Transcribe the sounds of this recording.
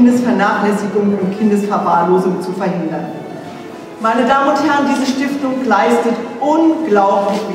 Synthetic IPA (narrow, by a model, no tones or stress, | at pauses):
ndəsfɛɐnaːχlɛsɪɡʊŋʊntkʰɪndəsfɛɐvaːloːzʊŋt͡sufɛɐhɪndɐn | maɪnədaːmənʊnthɛɐəndiːzəʃtɪftʊŋɡlaɪstətʔʊnɡ̥laʊplɪçb̥ə